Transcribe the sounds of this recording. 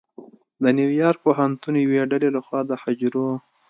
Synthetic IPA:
d̪ənjiwjɑɾk̚poɦant̪unjaweɖalelaxwɑd̪əhad͡ʒɾo

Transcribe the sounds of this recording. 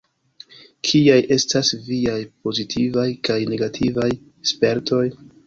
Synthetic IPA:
kʰiajʔe̞stasviajpo̞zitʰivajkajne̞ɡatʰivaj | spe̞ɾto̞j

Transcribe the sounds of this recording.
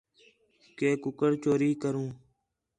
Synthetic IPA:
keːkʊkəɽt͡ʃoːɾiːkəɾũː

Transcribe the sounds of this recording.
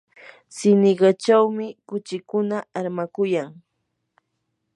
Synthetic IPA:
sɪnɪɢɑt͡ʃawmɪkʊt͡ʃɪkʊnaaɾmakʊjaŋ

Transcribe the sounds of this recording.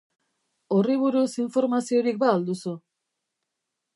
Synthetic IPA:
o̞riβ̞uɾusiɱfo̞ɾmasio̞ɾik̚baːld̪usu

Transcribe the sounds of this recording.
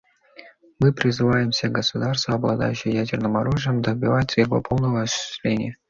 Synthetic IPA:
mɨpɾʲɪzɨvajɪmsʲəɡəsʊd̪arst̪vəɐblˠɐ̰d̪a̰jʉɕːɪjjædʲɪrnɨmɐɾuʐɨjəmd̪əbʲɪvat̪ʲəjɪvo̞̰po̞lˠnəvəɐsɪ̥sʲlʲenʲɪjə

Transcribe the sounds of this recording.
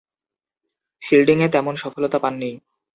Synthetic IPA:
filɖiŋet̪ɛmonʃɔfolot̪apanːij

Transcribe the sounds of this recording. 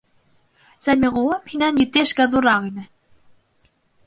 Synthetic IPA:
sæmʲiʁoɤphinænjɘ̆t̪eʃkæðuɾɑʁinɘ̆

